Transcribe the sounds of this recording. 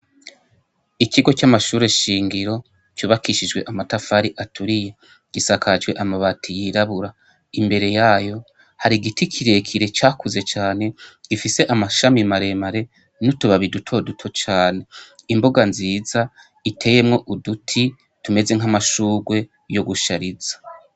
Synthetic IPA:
ikiɡo̞t͡ʃamaʃuːɾe̞ʃiːŋɡiɾo̞ | t͡ʃuːβakiʃid͡ʒɡwe̞ʔamatafaɾiʔatʰuɾije | ɡ̥isakʰad͡ʒɡwe̞ʔamaβatʰijiɾaβuɾa | imbe̞ɾe̞jaːjo̞ | haɾiɡitikʰiɾe̞kʰiɾe̞t͡ʃaːkʰuze̞t͡ʃaːne̞ɡ̥ifise̞ʔamaʃamimaɾe̞maɾe̞ | nutuβaβidutʰo̞dutʰo̞t͡ʃaːne̞imbo̞ɡanziːza | itʰe̞ːje̞mŋo̞ʔudutʰi | tume̞zeŋ̥amaʃuːɡwe̞ | jo̞ɡuʃaɾiz̥ḁ

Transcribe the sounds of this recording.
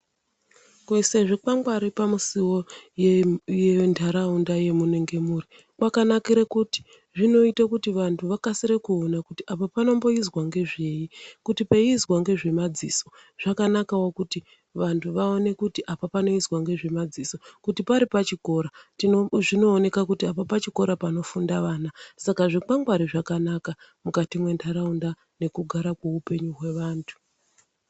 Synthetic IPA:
kuiseʐik͡paŋɡwaɾipamusiwo | jendʰʱaɾaundaje̞muneŋɡe̞muːri | kwakanakiɾekuti̥ | ʐino̞itakutiʋantʰuʋakasiɾekuːnakutiʔapapano̞mbo̞izwaŋɡe̞ʐe̞jikutipaizɣwaŋɡe̞ʐe̞mad͡zisoʐ̥akanakawokuti | ʋantʰuʋaone̞kutiʔapapano̞izwaŋɡe̞ʐemad͡ziso̞kutipaɾipat͡ʃiko̞ːɾa | ʐino̞ːne̞kakutiapapat͡ʃiko̞ɾapano̞fundaʋaːnasakaʐik͡paŋɡwaɾiʐakanakamukatimwe̞ndʰaɾaunda | ne̞kuɡʱaɾakweupe̞ɲuɦwe̞ʋaːntʰu̥

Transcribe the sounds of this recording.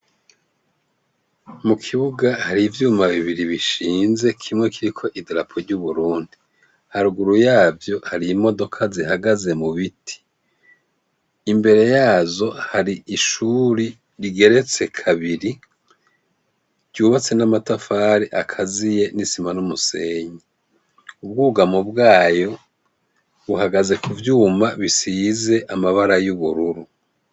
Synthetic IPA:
mukʰiβuɡahaɾivjuːmaβiβiɾiβiʃiːnze̞kʰimŋe̞kiɾikʰo̞ʔidiɾapʰo̞ɾɟuβuɾuːndi | haɾuɡuɾujaːvjo̞haɾiːmo̞do̞kʰazihaɡaze̞muβitʰi̥ | mbe̞ɾe̞jaːzo̞haɾiiʃuɾi | ɾiɡe̞ɾe̞t͡se̞kʰaβiɾi | ɟuːβat͡se̞namatafaːɾiʔakʰazije̞nisimanumuse̞ːɲi | ub̚ɡuːɡamobɡaːjo̞ | βuhaɡaze̞kuvjuːmaβisiːze̞ʔamaβaɾajuβuɾuɾu

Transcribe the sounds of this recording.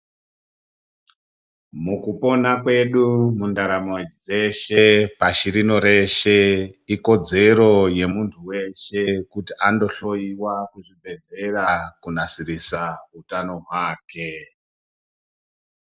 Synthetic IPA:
mukupo̞nakwe̞ɗumundaɾamod͡ze̞ʃepaʃiɾino̞ɾe̞ʃe̞iko̞d͡ze̞ɾo̞je̞muntʰuwe̞ʃe̞kutiʔando̞ɬo̞iwakuʐibʱe̞de̞rakunasirisautanoɦwaːke̞

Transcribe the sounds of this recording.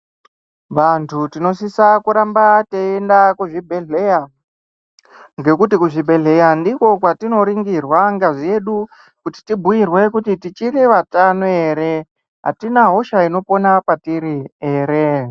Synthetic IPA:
ʋantʰutino̞sisakuɾambateendakuʐibʱe̞ɮeja | ŋɡe̞kutikuʐibʱe̞ɮe̞jandiko̞kwatino̞ɾiŋɡirwaŋɡaʐie̞ɗu | kuti̥tibʱujirwe̞kutitit͡ʃiriʋatanoe̞ɾe̞ | ɦa̰tinaɦo̞ʃaino̞po̞napatiɾie̞ːɾe

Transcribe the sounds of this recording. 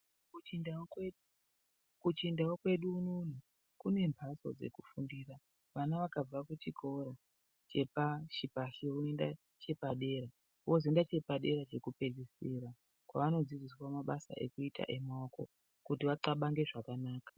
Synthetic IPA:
kut͡ʃind | kut͡ʃindaokwe̞ɗunun̤u | kune̞mbʱaso̞̰d͡ze̞̰kufundiːra | ʋanaʋakab͡vakut͡ʃikʰo̞ɾo | t͡ʃe̞paʃipaʃiouenda̰ | t͡ʃe̞paɗe̞ːɾa | uwozendat͡ʃe̞paɗe̞ɾat͡ʃe̞kupe̞d͡zisiɾa | kwa̰ʋano̞d͡zid͡ziswamaɓasa̰ʔe̞̰kuita̰ʔe̞maoko̞̰ | kutiʋaǀaɓaŋɡe̞ʐakanaːkḁ

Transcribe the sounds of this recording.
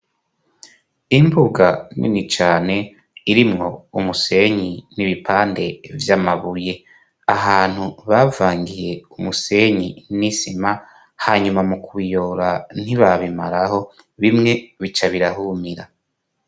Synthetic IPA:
imbuɡanḭnit͡ʃaːne̞ | iɾimŋo̞umuse̞ɲiniβipʰaːnde̞vjamaβuje̞ | aɦaːn̥huβavaːŋɡije̞umuse̞ɲinisima | haɲumamukuβijo̞ːɾan̥iβaβimaɾaho̞ | βimŋe̞βit͡ʃaβiɾahumiɾa

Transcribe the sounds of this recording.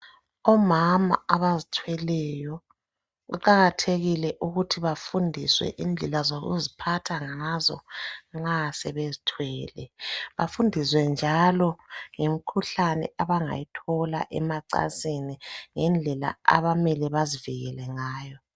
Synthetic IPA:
ɔmama̰aβazitʰwɛlɛjɔ | ɣṵǃaɣatʰeɣilɛʔuɣutʰiβafundʱiswɛ̰ʔind͡ɮʱɛlazoɣṵzipʰatʰaŋazɔ̰ŋ͡ǁasɛβezitʰwɛːlɛβafundʱiswɛnd͡ʒʱalɔŋemikʰuɬanɛ̰ʔaβaŋa̰jitʰɔla̰ʔɛmaǀa̰seniŋɛnd͡ɮʱɛla̰a̰βamɛlɛβaziviɣɛlɛŋaːjɔ

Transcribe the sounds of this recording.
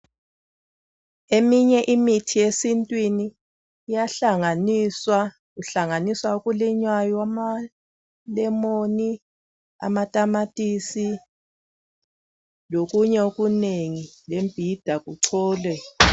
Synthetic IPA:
emiɲɛʔimitʰijesintʼwiniː | jaɬaŋansa | uɬaŋaniswaukʼuliɲwajɔama | lɛmoni | a̰matʼamatʼisi | lokʼuɲɛokʼuneŋilemb̥ʱid̥ʱakʼuǀʰɔːlɛ

